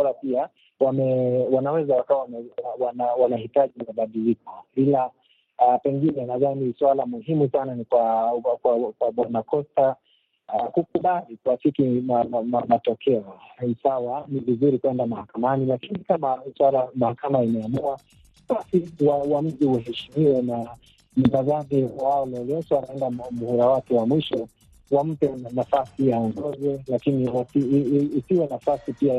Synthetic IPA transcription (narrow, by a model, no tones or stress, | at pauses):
alapia | wamɛwanawɛzawakawawamɛwanawanahitaʄimaɓaɗilikɔɓila | pɛŋɡinɛnaðaniswalamuɦimusananikwakwakwaɓwanakɔsta | kukuɓalikuwasikimaamamatɔkʰɛɔisawanivizuɾikwɛndamahakamanilakinikamam̩swaɾamahakamaimɛamua | ɓasiwawam̩ʄiwaɦɛʃimiwɛna | m̩tazaɗɛwaɔlɔlɛsɛwanaɛndamuhuɾawatɛwamwiʃɔ | wam̩pɛnafasijaɔŋɡɔzɛlakiniwasiːsiwɛnafasipia